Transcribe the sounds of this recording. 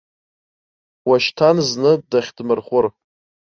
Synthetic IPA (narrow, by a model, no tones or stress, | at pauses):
waʃtʰanznɨdaχʲdmɨrχʷʊr